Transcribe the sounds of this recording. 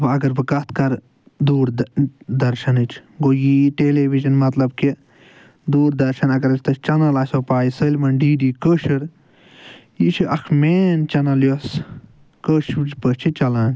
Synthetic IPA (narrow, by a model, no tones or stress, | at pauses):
bɨɐɡɐɾbɨkɐt̪ʰkɐɾ | d̪uːɾd̪ɐɾʃɐnɨt͡ʃʰɡojiːʈeːleːʋiʒɐnmɐt̪lɐb̚ki | d̪uːɾd̪ɐɾʃɐnɐɡɐɾɐt͡ʃʰt̪ɐt͡ʃɐnɐlaːsoːpaːjisəːlʲmɐnɖiːɖiːkəːʃɐɾ | jit͡ʃʰiʔɐkʰmeːnt͡ʃɐnɐljos | kəːʃd͡ʒpət͡ʃʰit͡ʃɐlaːn